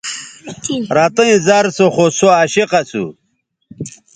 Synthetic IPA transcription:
ɾaːt̪ɐĩzaɾsoχosoaːɕiqasṵ

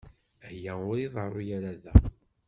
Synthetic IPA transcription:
hjæʊɾiðˤərˤːʊjaɾaðæ

